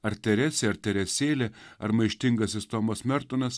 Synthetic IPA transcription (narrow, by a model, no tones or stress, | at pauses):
ɐɾt̪ʲɛɾʲɛsʲeɐɾt̪ʲɛɾʲɛsʲeːlʲeɐɾmɐɪʃʲt̪ʲɪŋɡɐsʲɪst̪oːmosmʲɛɾt̪ʊnɐs